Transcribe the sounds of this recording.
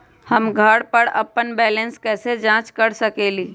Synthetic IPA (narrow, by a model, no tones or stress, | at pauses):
həmɡʱəɽpəɾɐ̰pːənbɛːlə̃nskɛːsed͡ʒãːt͡ʃkəɾsəkeːliː